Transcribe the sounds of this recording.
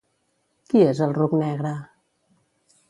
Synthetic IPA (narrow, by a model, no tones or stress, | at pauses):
kiezəlˠruknɛɣɾə